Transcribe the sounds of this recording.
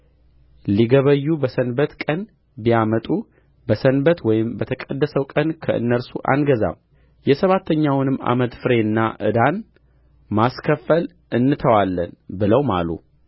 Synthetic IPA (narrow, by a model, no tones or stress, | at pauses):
liɡəβəjːubəsənbət̪kʼən | bijamət̪ʼu | bəsənbət̪wɔjɪmbət̪ʰəkʼəd̪ːəsəwkʼənkʰəʔɨ̰nːəɾsuʔa̰nɡəza̰m | jɛsəβat̪ʰːəɲːawnɨmːa̰mət̪fɨɾe̞nːaʔɨ̰d̪an | maskʰəfːəl | ʔɨnːɨt̪ʰəwalːənbɨləwma̰lṵ